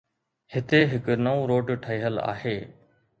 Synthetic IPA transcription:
hɪt̪eːɦɪknəũːɾoːʈʈʰəiːɦəla̰ːɦeː

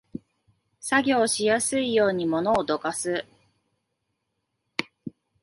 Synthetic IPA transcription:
saɡʲo̞ːɕijasɨijo̞ːɲ̟imo̞no̞ːd̪o̞kasɨ

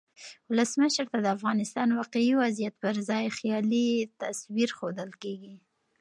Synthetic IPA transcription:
wʊləsməʃɾt̪ad̪əafɣɑnɪst̪ɑnwɑqeiwazijat̪̚pəɾzɑjxjɑlit̪aswiɾxod̪əlkeɡi

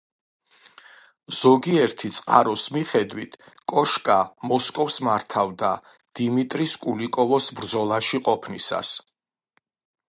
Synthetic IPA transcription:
z̥ɔɡiɛɾt̪ʰit̪sʼqʼa̰ɾɔsmiχɛd̪wit̪ʰ | kʼɔʃkʼamɔskʼɔfsmaɾt̪ʰavd̪a | d̪̥imit̪ʼɾiskʼulikʼɔvɔsbɾd̪zɔlˠaʃiqʼɔpʰnisa̰s

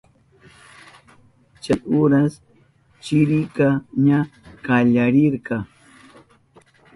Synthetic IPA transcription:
t͡ʃajʔʊɾas | t͡ʃɪɾɪkaɲakaʎaɾɪɾkɑ

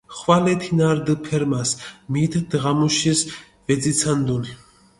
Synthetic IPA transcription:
χvalɛt̪ʰinaɾd̪ɨpʰɛɾmasmit̪ʰd̪ʁamuʃis | vɛd̪zit̪sʰand̪uni

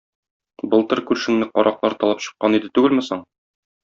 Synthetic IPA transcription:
bɤlˠt̪ɤɾkʉɾʃɘ̆ŋnɘqɒɾʔɑqlˠɑɾt̪ɒlˠɑpɕɤ̥̆qːɑnid̪ɘt̪ʉɡɘlmɘsɤɴ

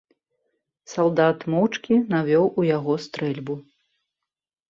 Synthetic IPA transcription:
salˠd̪at̪mɔwt͡ʂkʲinavʲɔwʔujaɣɔst̪ɾɛlʲbu

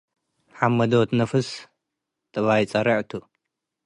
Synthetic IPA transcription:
ħamːɐd̪ot̪nɐfɨs | t̪ʼɨβajt͡sʼɐɾɐʕt̪ʰu

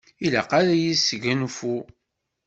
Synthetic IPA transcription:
ilæ̰qaɾajisʝænfu

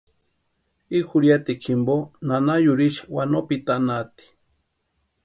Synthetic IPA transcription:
ixuɾjat̪ikʰimbonanajuɾiʃḁwanopit̪anat̪i̥

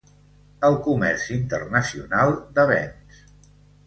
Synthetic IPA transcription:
əlˠkumɛ̰rsint̪ərnəsiunalˠd̪əβɛ̰ns

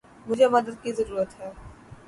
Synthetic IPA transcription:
mʊd͡ʒʱemɐd̪əd̪̚kizɐɾuːɾət̪ɦɛː

